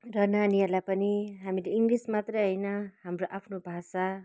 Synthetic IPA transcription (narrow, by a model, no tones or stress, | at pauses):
rʌnanialapʌniɦamiɾiŋɡlismat̪rʌɦʌjnʌɦamroʔapʰnobʱasa